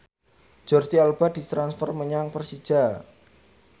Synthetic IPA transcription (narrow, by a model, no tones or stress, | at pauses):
d͡ʒ̥ɔrt̪ialb̥ad̥it̪ɾansfɔrməɲaŋpərsid̥ʒ̥a